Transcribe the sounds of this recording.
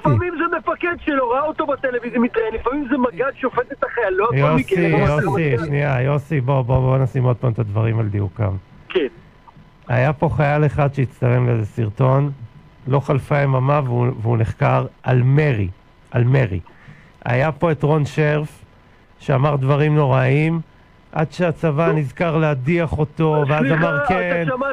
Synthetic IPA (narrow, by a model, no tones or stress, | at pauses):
llifamimzemefaked̪ʃeloʁaaot̪obat̪elevizijamit̪ʁajenlifamimzemaɡad̪ʃeofed̪et̪aχajaloajosijosiʃniajo̞sibobobonasimod̪̚pamt̪ad̪vaʁimald̪iuka̰m | ken | ajapo̞χajaleχad̪ʃejit͡st̪ale̞mlezsiʁt̪o̞n | lo̞χalfaemamavuveuneχkaʁʔalmeʁḭ | ʔa̰lme̞ʁḭ | ʔa̰japo̞et̪ʁo̞nʃeʁf | ʃeamaʁd̪vaʁimno̞ʁaim | ʔa̰d̪ʃeat͡savanizkaʁleadiaχo̞to̞veazamaʁken